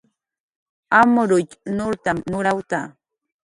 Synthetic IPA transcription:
amɾʊʎnʊɾt̪amnʊɾawt̪a

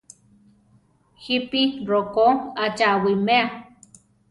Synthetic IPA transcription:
hipirokoat͡ʃaʔwimea

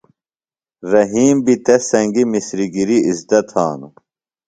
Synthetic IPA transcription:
ɾɐɦiːmbit̪esɐŋɡimisɾiɡiɾiizd̪ɐt̪ʰha̰ːnu

